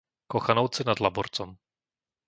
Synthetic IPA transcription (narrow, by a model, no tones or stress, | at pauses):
kɔxanowt͡sɪnad̪labuɾt͡sɔm